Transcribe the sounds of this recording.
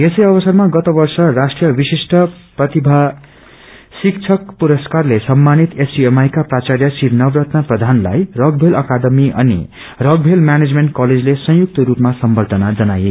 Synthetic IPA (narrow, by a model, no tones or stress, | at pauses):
esʌjʌbʌsʌrmaɡʌt̪ʌbʌrsʌrasʈrijʌbisisʈʌprʌt̪ibʱa | sik̚t͡ʃʰʌkpuɾʌskarlesʌmːanit̪esiemajkaprat͡saɾjʌsiɾnʌbrʌt̪nʌprʌd̪ʱanla̰jrʌɡbʱelʔʌkad̪ʌmiʔʌ̰nḭ | rʌɡ̚bʱelmjaned͡zmeɳʈkʌled͡zlesʌ̃ɦjuk̚t̪ʌɾupmasʌmbʌrd̪ʱʌnad͡zʌnaje